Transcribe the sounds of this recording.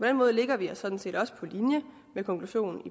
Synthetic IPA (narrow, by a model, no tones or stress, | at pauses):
pʰɒ̽d̥enmɔ̽ːðˠle̝ɡ̥ɐʋiæsɒ̽d̥n̩se̝̰ːd̥ɒ̽sə̥pʰɒ̽linjə | mekʰɒ̽ŋkʰluɕo̝̰ːn̩i